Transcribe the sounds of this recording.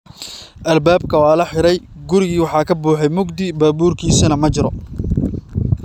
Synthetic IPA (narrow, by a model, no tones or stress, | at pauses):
ʔɐlbaːb̚kʰɐwaːlɐħɪɾɛjɡʊɾɪɣiːwɑħɑːkʰɐbuːħɛjmʊɡd̪ɪbaːbuːrkʰiːsɐnɐmɐt͡ʃɪɾɔ